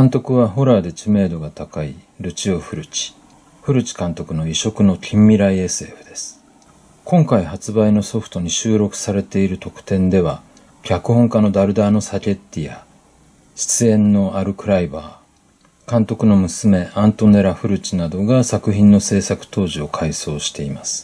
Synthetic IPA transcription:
kãnt̪o̞kɯ̟βaɦo̞ɾaːd̪e̞t͡ɕime̞ːd̪o̞ɡat̪akai | ɾɯ̟t͡ɕioɸɯ̟ɾɯ̟t͡ɕi̥ | ɸɯ̟ɾɯ̟t͡ɕi̥kãnt̪o̞kɯno̞iɕo̞kɯ̟no̞kʲʰĩmːʲiɾaiesɨe̞ːɸɯ̟d̪̥e̞sɨ̥ | kʰõ̞ŋkaihat͡sɨbaino̞so̞ɸɯ̟̥t̪o̞ɲ̟iɕɨːɾo̞kɯ̟̥saɾe̞t̪e̞iɾɯ̟t̪o̞kɯ̟̥t̪ẽ̞nd̪e̞βa | kʲakɯ̟hõ̞ŋkano̞d̪aɾɯ̟d̪aːno̞sakʲe̞t̪ːija | ɕi̥t͡sɨẽ̞nːo̞aɾɯ̟kɯ̟ɾaibaː | kãnt̪o̞kɯ̟no̞mɯ̟sɨme̞ãnt̪o̞ne̞ɾaɸɯ̟ɾɯ̟t͡ɕinad̪o̞ɡasakɯ̟çĩnːo̞se̞ːsakɯ̟̥t̪o̞ːʑio̞kʰaiso̞ːɕi̥t̪e̞imasɨ̥

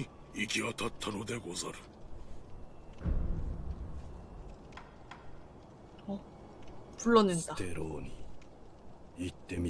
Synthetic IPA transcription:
i | ikʲiɡat̪ʰat̪ʰːanod̪e̞ɡozaɾɯ̥ | ʌ | puɭːʌnɯndat̪eɾoːɲi | it̪ːe̞mʲi

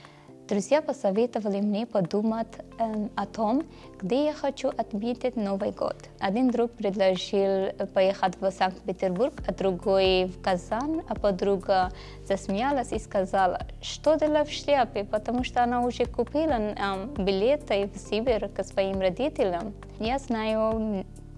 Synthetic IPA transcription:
d̪ɾuzʲjapɐsɐvʲet̪əvɐlɪmnʲepɐd̪umɐt̪ʲɐt̪om | ɡ̥d̪ʲejaxɐt͡ʃuʔɐt̪mʲet̪ʲɪt̪ʲnovɨjɡo̰t̪ | ɐd̪ʲind̪ɾuk̚pɾʲɪd̪lˠɐʐilˠpɐjexət̪ʲvəsaŋk̚t̪pʲɪt̪ʲɪrbuɾkɐd̪ɾʊɡojvkɐzanɐpɐd̪ɾuɡɐ | z̥ɐsʲmjalˠɐsʲiskɐzalˠɐ̰ʂt̪od̪əlafʃlʲapɪpɐt̪ɐmuʂt̪oɐnaʊʐɛkʊpʲilˠɐnbʲɪlʲet̪ɐjvsʲibʲɪɾksvɐimrɐd̪ʲit̪ʲɪlʲɐm | jaznaju

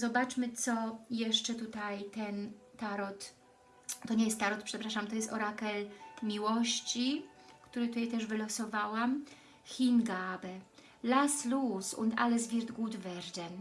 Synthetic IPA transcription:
zɔbat͡ʂmɘt̪sɔjɛʂt͡ʂɛt̪ut̪ajt̪ɛnt̪aɾɔt̪ | t̪ɔɲejɛst̪ːaɾɔt̪̚pʂɛpɾaʂamt̪ɔjɛst̪ɔɾakɛlmʲiwɔɕt͡ɕikt̪uɾɘt̪ut̪ajt̪ɛʐvɘlɔsɔvawam | xʲinɡabɛ | laslusṵnd̪a̰lɛzvʲiɾd̪ɡud̪vɛɾd̪ɛn

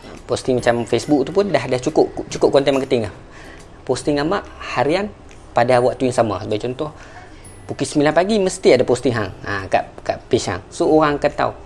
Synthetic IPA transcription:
pɔst̪ɪŋmat͡ʃamfɛsbuk̚t̪upʊndahdaht͡ʃukʊʔt͡ʃukʊp̚kɔnt̪ɛmakət̪ɪŋah | pɔst̪ɪŋamaʔhaɾian | padawaʔt̪uiŋsama̰səbaɡt͡ʃɔnt̪ɔh | pukisəmilanpaɡiməst̪iadapɔst̪ɪŋɦa̰ŋaka̰ʔkaʔpiʃa̰ŋsooɣaŋakant̪a̰u

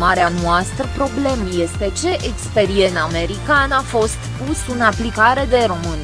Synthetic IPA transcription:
maɾeanuast̪ɾəpɾo̞ble̞mje̞st̪e̞t͡ʃe̞ʔekspe̞ɾie̞name̞ɾikanafo̞st̪pusɨnaplikaɾe̞d̪e̞ɾo̞mɨn

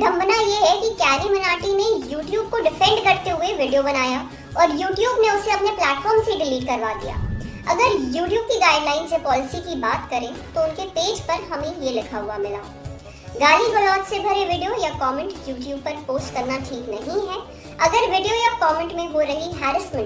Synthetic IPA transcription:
ɖ̪ʱɐ̃mbnajeɦɛkikɛːɾimɐnaːɾʈinẽjuːʈjuːb̚koɖɪfɛ̃ɳɖkɐɾt̪eɦʊeʋɪɖijobɐnaːja | ɔːɾjuːʈjuːbneʊseɐpneplɛːʈfɔːɾmseɖɪliːʈ̚kɐɾʋad̪ḭja̰ː | ɐɡəɾjuːʈjuːb̚kiɡaːɪɖlaːɪnsjepɔːlɪsikibaːt̪kɐɾẽt̪oʊnkepeːd͡ʒpɐɾɦɐmẽjelɪkʰaɦʊamɪlaː | ɡaːliɡolɔːd͡ʒsebʱɐɾeʋɪɖijojakɔːmɛ̃ɳʈjuːʈjuːb̚pɐɾpoːsʈkɐɾnaʈʰiːknɐɦĩɦɛː | ɐɡəɾʋɪɖijojakɔːmɛ̃ɳʈmẽɦoɾɐɦiɦɛːɾɪsmə̃ɳʈ

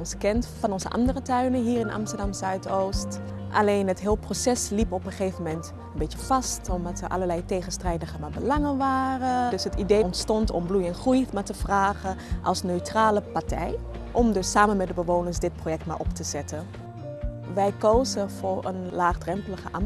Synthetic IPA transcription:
ɔnsəkɛntfɑnɔnzə̰ʔɑ̰ndərətœɥnəɦiːɹɪnɑ̰mstəɹdɑmzœɥtowst | ʔɑ̰leːnətɦɪːlˠprosɛslipɔpəχeːvəmɛnt | ənbɪtjəv̥ɑstɔmdɑtəɹʔɑ̰ləɹlɛjteχənstrɛjdəχəmaːbəlɑŋəʋaːrədsətidejɔntstɔntɔ̰mblujɛnχrujmatəv̥raːχəʔɑlˠsnøɥtraːləpaɹtɛ̰j | ʔɔmdɵsaːmənmɛdəbəʋoːnəɹsdɪt̚projɛk̚tma̰ɹʔɔptəz̥ɛtə | ʋɛjkowzəvʊːɹə̰nlaːχdrɛmpləχəʔɑm

